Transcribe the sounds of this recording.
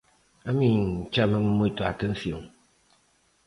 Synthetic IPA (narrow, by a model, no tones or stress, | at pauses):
amin̩t͡ʃaməmmuitoatɛn̩sioŋ